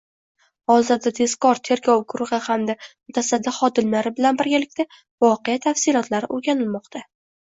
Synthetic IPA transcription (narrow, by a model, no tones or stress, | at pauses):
ɒzad̪ad̪ʰe̞skɒɾt̪ʰe̞ɾɡʲɒwɡʊɾʁɨhamd̪amʊt̪ʰasad̪ːɪχɒd̪ɪmlaɾɪbɪlanbɪɾɡʲalɪkʲt̪a | vɒqejat̪ʰafsɪlɒt̪ʰlaɾɪʔoɾɡʲanɪlmɒqt̪ʰa